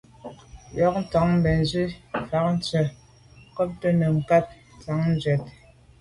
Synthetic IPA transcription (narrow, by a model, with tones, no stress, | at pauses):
jɔ˨˦k̚n̩˦tɔ˨˦ŋm̩˦bɛ˨n˨zɥi˦fa˨˦k̚n̩˦t͡sə˨ | kɔ˦p̚tə˦nə˨ŋ̩˨ka˦p̚t͡sa˨˦ŋn˦zɥɛ˨t̚